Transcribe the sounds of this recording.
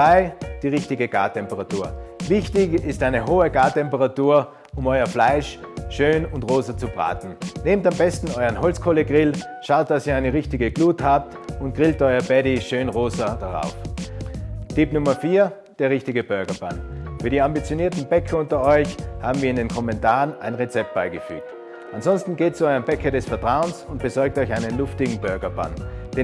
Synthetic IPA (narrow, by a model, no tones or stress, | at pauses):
ʁaɪd̥iːʁɪçtɪɡəɡ̥a̰ːɐtʰɛmpəʁatuːɐvɪçtɪçɪstʔaɪnəɦoːəɡaːtɛmpəʁatuːɐ | ʔʊmɔʏɐflaɪʃʃøːnʊntʁoːzɐt͡subʁa̰ːtn̩neːmtambɛstn̩ɔʏənhɔlt͡skʰoːləɡʁɪl | ʃaʊt̚d̥asiːɐaɪnəʁɪçtɪɡəɡ̥luːthaːp̚tʊnt̚ɡ̥ʁɪltʔɔʏɐbɛdiʃøːnʁoːzɐd̥aʁa̰ʊf | tɪpnʊmɐfiːɐ | d̥eːɐʁɪçtɪɡəb̥œɐɡɐb̥a̰nfyːɐɾiːɐãmbit͡sjoniːɐtn̩bɛkʰɐʊntɐɔʏçhaːbm̩viːɪndeːnkʰɔmɛntaːʁənʔa̰ɪnʁet͡sɛp̚t̚b̥aɪɡəfy̰ːk̚t | ʔanzɔnstn̩ɡeːt̚t͡suɔʏʁəmbɛkʰɐɾɛsfɛɐtʁ̥aʊənsʊnt̚b̥əzɔɐk̚tɔʏçaɪnənlʊftɪɡŋ̩bœɐɡɐba̰nd̥e